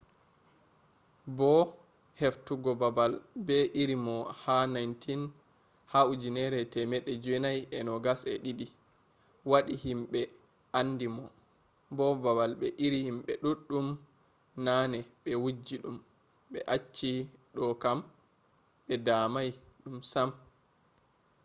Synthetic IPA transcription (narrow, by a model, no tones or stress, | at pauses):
bɔ | heftuɡɔbabalbɛʔiɾimɔhanajntin | haud͡ʒinɛɾɛtɛmɛɗːɛd͡ʒwɛnajɛnɔɡasɛɗidi | waɗihimɓɛ | andimɔ | bɔbabalɓɛʔiɾihimɓɛɗuɗːum | nanɛɓɛwud͡ʒːiɗum | ɓɛʔat͡ʃːiɗɔkam | ɓɛdaːmajɗumsam